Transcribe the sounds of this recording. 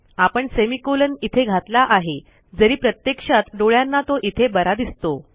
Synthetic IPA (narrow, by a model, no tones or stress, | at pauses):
apəɳsemikolənit̪ʰeɡʱat̪laʔaɦe | d͡zəɾiːpɾət̪jekʂat̪ɖoɭjanːat̪oʔit̪ʰebəɾad̪ist̪o